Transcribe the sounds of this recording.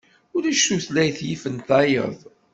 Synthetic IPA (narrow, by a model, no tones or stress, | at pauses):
ʊɾiʃuθlæjθjifənt̪æjə̰ðˤ